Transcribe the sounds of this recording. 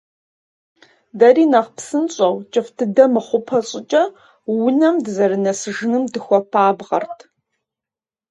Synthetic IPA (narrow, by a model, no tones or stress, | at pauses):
dɐriːnɐʁpsɨnɕʼɐwt͡ʃʼɨftʰɨdɐmɨχʷʊpʰɐɕʼɪt͡ʃʼɐ | wʊnɐmdzɐrɨnɐsɨʒɨnɨmdɨxʷɔpʰaːbʁɐ̰rtʰ